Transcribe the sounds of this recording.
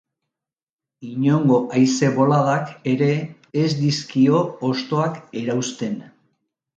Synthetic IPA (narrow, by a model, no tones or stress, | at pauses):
iɲo̞ŋɡo̞ʔajse̞βo̞laðake̞ɾe̞ː | zd̪iskio̞ːst̪o̞ake̞ɾawst̪e̞n